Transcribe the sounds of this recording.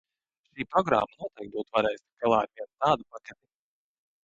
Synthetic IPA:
ʃiːpɾɔɡɾa̰ːmːanuɔt̪ɛjkt̪̚buːt̪uvaɾɛːjsʲt̪ɡalˠaːaɾvʲiɛnt̪aːd̪upakat̪ʲi

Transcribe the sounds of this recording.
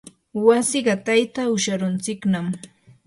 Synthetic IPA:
wasɪɢɑt̪ajt̪aʊʃaɾʊnt͡sɪknam

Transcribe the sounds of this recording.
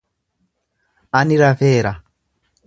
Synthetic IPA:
aniɾavɛːɾa

